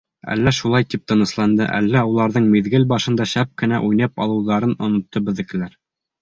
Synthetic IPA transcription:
æ̰lːæʃulˠɑjt̪ip̚t̪ɤ̆nɤ̆slˠɑnd̪ɤ̰ʔæ̰lːæulˠɑɾðɤɴmiðɡɘlbɑʃɤ̆nd̪ɑʃæp̚kɘ̆næʔujnɤpɑ̰lˠɤ̆wðɑɾɤnŏnŏt̪ːɤbɘ̆ðɘ̆kɘ̆læɾ

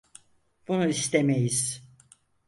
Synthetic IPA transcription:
b̥unuist̪ʰemejiz̥

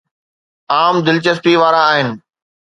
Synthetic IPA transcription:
aːmd̪ɪlt͡ɕəspiʋaːɾaːɦɪnɪ̆

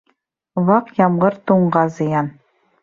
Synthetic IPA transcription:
βɑqjɑmʁɤɾt̪uɴʁɑzɤ̆jɑn

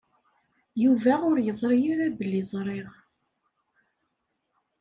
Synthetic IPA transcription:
juvæʊɾjəzˤɾiiɾæbəlːizˤɾˤeʁ

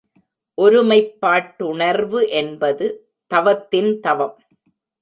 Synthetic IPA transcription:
ʔɔɾɯmɐɪpːaːʈːʊɳɐɾʋɯʔɛnbɐðɯ | t̪ɐʋɐt̪ːɪnt̪ɐʋɐm

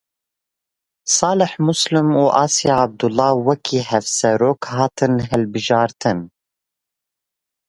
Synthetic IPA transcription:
sɑːlɨħmʊslɨmuːʔɑːsjɑab̚d̪ulːɑːwɛkʰiːhɛvsɛɾoːkhɑːt̪ʰɨnɦɛlbɨʒɑːɾt̪ʰɨn

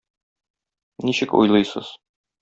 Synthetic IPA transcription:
niɕɘkṵjlˠɤjsɤ̰z̥

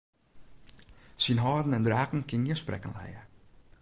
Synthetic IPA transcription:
sinɦɔːdn̩ɛndraːkn̩kɪniəsprɛ̰kə̰nlɛ̰jə̰

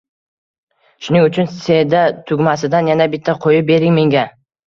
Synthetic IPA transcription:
ʃʊnɪŋʊt͡ʃʰʊnse̞d̪at̪ʰʊɡʲmasɪd̪anjanabɪt̪ʰːaqʰojɪp̚be̞ɾɪŋme̞ŋɡʲa

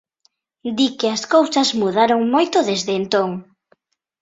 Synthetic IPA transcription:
d̪ikɪɐskowsɐzmuðaɾoŋmojt̪ʊðezðeːnt̪oŋ

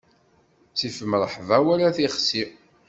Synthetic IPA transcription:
t͡sifəməɾˤħvæwæɾaθiχsi

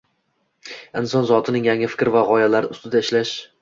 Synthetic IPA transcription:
ɪnsɒnzɒt̪ʰɪnɪŋjaŋɪfɪ̥kʲɾɪvaʁɒjalaɾɪʊst̪ɪd̪aɪʃlaʃ

